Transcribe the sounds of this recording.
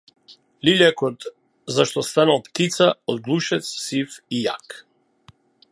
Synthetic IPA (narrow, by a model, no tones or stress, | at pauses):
liʎɛkɔt̪ | zaʃt̪ɔst̪analˠpt̪it̪saɔd̪ɡlˠuʃɛt̪ssifija̰k